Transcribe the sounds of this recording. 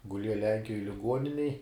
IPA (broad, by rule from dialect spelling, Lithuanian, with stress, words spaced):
ɡʊˈlʲiɛjɛ ˈlʲɛŋʲkʲɪjoːj lʲɪˈɡuɔnʲɪnʲɛj